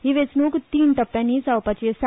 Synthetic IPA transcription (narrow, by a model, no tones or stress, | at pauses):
ɦiʋet͡snuːkt̪iːnt̪əpːjãnisawpat͡ɕisa